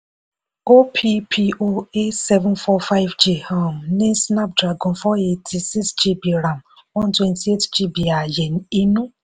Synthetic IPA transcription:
o˦pʰi˦pʰi˦ʔo˦e˦sɛ˦vʊ̃˦nfɔ˦fa˦ɪ˦vd͡ʒi˨hɔ˦˨m˨ne˦sna˦p̚dɾa˨ɡɔ̃˨n̩fɔ˦e˦tʰi˨si˦ksd͡ʒi˦bi˨ɾa˨m̩˨ | wɔ˦n˦twe˦nti˨e˦td͡ʒi˦bi˨a˨je˨n̩˨˦i˦nũ˦

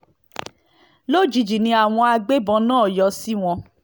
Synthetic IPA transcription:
lo˦˨d͡ʒi˨d͡ʒi˨nĩ˧˦a˨w̃ɔ̃˧a˧ɡ͡be˦bɔ̃˧nãː˦˨jɔ˧si˦w̃ɔ̃˧

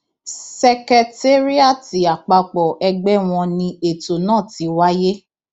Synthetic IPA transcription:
sɛ˧kɛ˧te˦ɾi˦a˦˨ti˨˦a˨k͡pa˧k͡pɔ˨ʔɛ˧ɡ͡bɛ˦w̃ɔ̃˧nĩ˧e˨to˨nãː˦˨ti˨˦wa˦je˦

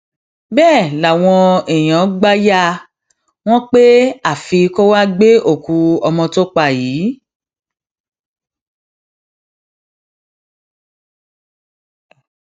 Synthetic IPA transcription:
bɛː˦˨la˨w̃ɔ̃˧e˨j̃ã˨˦ɡ͡ba˦ja˦ | w̃ɔ̃˦k͡pe˦a˦˨fi˧ko˦wa˦ɡ͡be˦o˦˨ku˨˧ɔ˧mɔ̃˧to˦k͡pa˦˨jiː˨˦

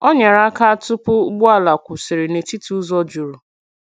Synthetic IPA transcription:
ɔ˦ɲa˨ɾa˦a˦ka˦tʊ˦pʊ˦ɡ͡bʊ˦a˦la˨kʷʊ˨sɪ˨ɾɪ˨ne˨ti˦tu˦u˦zɔ˦d͡ʒu˨ɾu˨

